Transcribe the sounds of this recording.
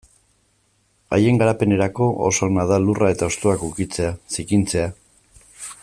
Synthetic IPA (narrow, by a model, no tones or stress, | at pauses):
a̰je̞ŋɡaɾape̞ne̞ɾako̞ʔo̰soɣnað̞alurʔae̞t̪ao̞st̪oakukit͡se̞asikint͡se̞a